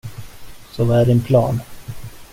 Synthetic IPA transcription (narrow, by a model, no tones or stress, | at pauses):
sɔvaæɖɛnpʰlɑːn